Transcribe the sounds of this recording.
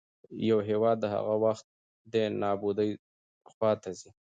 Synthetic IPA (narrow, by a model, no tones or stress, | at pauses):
jawɦewɑd̪ːəɦa̰ɣawaxt̪̚ | d̪enɑbud̪əj | xwɑt̪azi